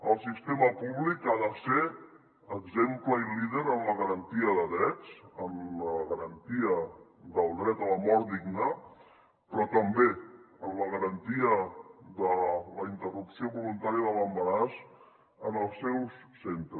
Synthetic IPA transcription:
əlˠsist̪eməpuβlikaðəse | əɡzempləiliðeɾənləɣəɾənt̪iəðəðɾɛt͡səmləɣəɾənt̪iə | ðəlˠd̪ɾɛt̪ələmɔɾd̪iɡnə | pɾɔt̪əmbe | əmləɣəɾənt̪iəðələint̪ərupsioβulunt̪aɾiəðələmbəɾas | ənəlˠsɛwsːent̪ɾə

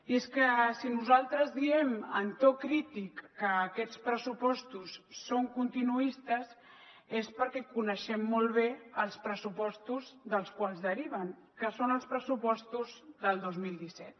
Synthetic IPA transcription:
ieskəsinuzalˠt̪ɾəzðiɛmə̰nt̪ɔkɾit̪ikːəːkɛt͡spɾəsupɔst̪usːoŋkunt̪inuist̪əz | espəɾkɛkunəʃɛmːɔlˠβ̞eəlˠspɾəsupɔst̪uzðəlˠskwalˠzðəɾiβ̞əŋ | kəsonəlˠspɾəsupɔst̪uzðəlˠd̪ozmilˠd̪isɛt̪

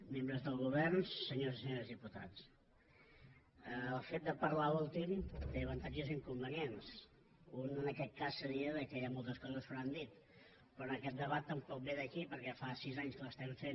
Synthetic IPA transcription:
membɾəzðəlˠɣuβɛrnsəɲozisəɲoɾəzðiput̪a̰t͡s | əːlˠfet̪̚d̪əpəɾlaulˠt̪imt̪eəβənt̪ad͡ʒuziŋkumbəniens | unənəkɛt̪̚kasːəβiəðəkəjamɔlˠt̪əskɔzəsuɾand̪it̪ | pɾɔnəkɛt̪̚d̪əβat̪ːəmpɔk̚beðəkipəɾkɛfasizaɲskələst̪ɛɱfen

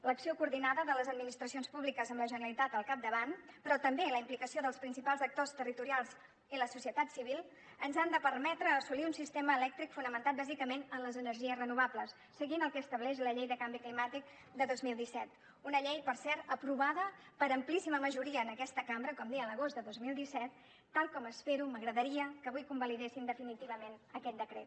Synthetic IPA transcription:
ləksiokuɾðinaðəðələzəd̪̚minist̪ɾəsionspuβlikəzəmləʒənəəlit̪at̪əlˠkap̚d̪əβanpɾɔt̪əmbeləimplikəsioðəlˠspɾinsipalˠzək̚t̪ost̪ərit̪uɾialˠz | iləsusiət̪at̪siβilˠ | ənzand̪əpərmɛt̪ɾəːsuliunsist̪eməːlɛk̚t̪ɾikfunəmənt̪at̪̚bazikəmenənləzənəɾʒiəzrənuβ̞abləsːəɣinəlˠkɛːst̪əβ̞lɛʃləʎejðəkambiklimat̪ik̚ | d̪əðozmilˠd̪isɛt̪ | unəʎejpərsɛɾəpɾuβaðəpəɾəmplisiməməʒuɾiəːnəkɛst̪əkambɾəkɔmd̪iələɣ̞ozd̪əðozmilˠd̪isɛt̪ː | alˠkɔməspeɾuməɣɾəðəɾiəkəβujkumbəliðesind̪əfinit̪iβ̞əmenəkɛt̪̚d̪əkɾḛt̪̚

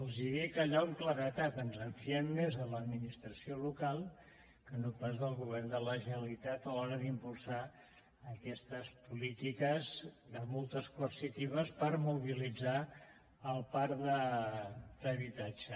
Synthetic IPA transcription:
əlˠziðikəʎauŋkləɾət̪at̪ənzəɱfiɛmːezələd̪minist̪ɾəsiolukalˠ | kənopazðəlˠɣuβ̞ɛrnd̪ələʒəəlit̪at̪əlɔɾəðimpulˠsa | əkɛst̪əspulit̪ikəzðəmolˠt̪əskuəsit̪iβ̞əspəɾmuβ̞ilid͡za | əlˠpaɾd̪ə | d̪əβit̪ad͡ʒə

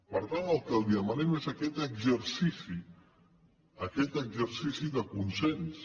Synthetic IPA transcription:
pəɾt̪anəlˠkəlˠiəmənɛmezəkɛt̪əɡzəɾsisi | əkɛt̪əɡzəɾsisiðəkunsɛns

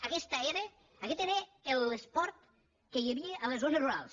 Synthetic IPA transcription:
əkɛst̪əeɾəː | kɛt̪eɾəelˠespɔɾt̪ | kəjəβiəʔələzɣonəzruɾalˠs

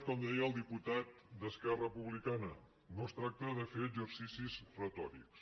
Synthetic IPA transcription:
kɔmd̪ɛjəəlˠd̪iput̪at̪̚d̪əskɛrəpuβlikanə | nost̪ɾak̚t̪əðəfeəd͡ʒəɾsisizrət̪ɔɾḭks

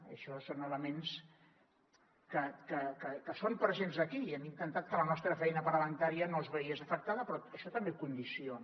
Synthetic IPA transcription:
ə̰ʃɔsonələmens | kəkəkəkəsompɾəzenzəkiɛmint̪ənt̪at̪̚kələnɔst̪ɾəfɛjnəpəɾəβəŋt̪aɾiənozβəiəzəfək̚t̪aðəpɾɔəʃɔt̪əmbekund̪ision

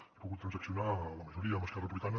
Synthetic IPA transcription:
ipuɣut̪ːɾənzəksjunaləməʒuɾiəðəməskɛrəpuβlit̪anə

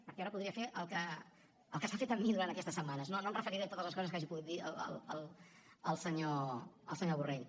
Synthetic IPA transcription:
pəɾkɛaɾəpuðɾiəfeʔəlˠkə | əlˠkəsafet̪əmːiðuɾant̪əkɛst̪əsːəmːanəsnonomrəfəɾiɾiət̪ot̪əzləskɔzəskaʒipuɣut̪̚d̪iə̰lə̰ləlˠ | əlˠsəɲoəlˠsəɲoβureʎ

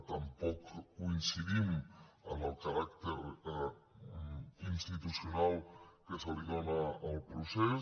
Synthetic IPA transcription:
t̪ampɔkkuinsiðimə̰nəlˠkaɾakt̪eɾ | inst̪it̪usjonalˠkesoliðonaːlpɾuse

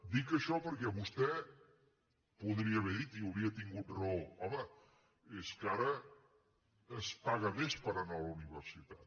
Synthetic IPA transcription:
d̪ikəʃɔpəɾkɛβust̪ɛ | puðɾiəβɛðit̪iuwɾiət̪iŋɡut̪rɔɔmə | eskaɾə | spaɣəmespəɾənɔβəuniβ̞əɾsit̪at̪

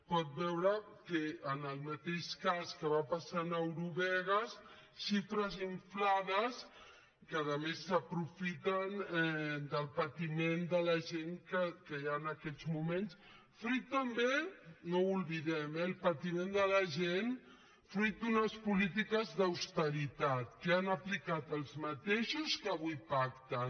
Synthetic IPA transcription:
pɔt̪̚bɛwɾəkəənəlˠmat̪eʃkaskəβapasanəwɾuβɛɣ̞əs | ʃifɾəziɱflaðəs | kəəːðəmesːəpɾufit̪ənɛd̪əlˠpat̪imend̪ələʒeŋkəkəjaənəkɛzmumens | fɾut̪ːəmbenoulˠβiðɛmɛlˠpat̪imẽnd̪əlɐʒen | fɾit̪̚d̪unəspulit̪̬ikəzðəwst̪əɾit̪at̪̚keanəplikat̪əlˠzmət̪eʃuskəβujpak̚t̪ə

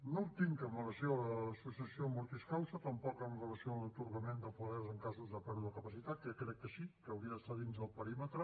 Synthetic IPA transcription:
noup̚t̪iŋkəmələsjoələsusiəsiomuɾt̪iskawsət̪əmpɔkənrələsioələt̪uɾɣəmend̪əfuðɛzəŋkazuzðəpɛɾuðəkəpəsit̪at̪̚kəkɾɛk̚t̪əʃikəːwɾiəðəst̪aðinzəlˠpəɾimət̪ɾə

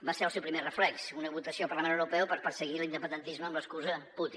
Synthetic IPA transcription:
baseɾəlˠsɛwpɾimerəflɛksunəβut̪əsiolˠpəɾlˠəmenəwɾupɛwpəɾpəɾsəɣilind̪əpənd̪ənt̪izməːmləskuzəput̪in

